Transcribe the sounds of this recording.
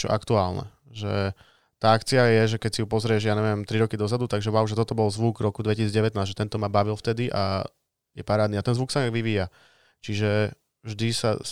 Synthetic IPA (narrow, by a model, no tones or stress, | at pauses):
t͡ʃɔ̰ʔakt̪uaːlnɛ̰ | ʒɛ̰ | t̪aːakt͡siajɛʒɛkɛcsijupɔzɾɪɛʒjaːɲɛʋɪɛmt̪ɾiɾɔkid̪ɔzad̪ut̪aɡʒɛʋawʒɛt̪ɔt̪ɔbɔlzʋuɡɾɔkud̪ʋɛcisid͡zɟɛʋɛt̪naːzʒɛt̪ɛnt̪ɔmabaʋilft̪ɛd̪iʔa̰ | jɛpaɾaːd̪niat̪ɛnzʋuksaaɡʋiʋiːja | t͡ʃiʒɛ | ʒd̪isa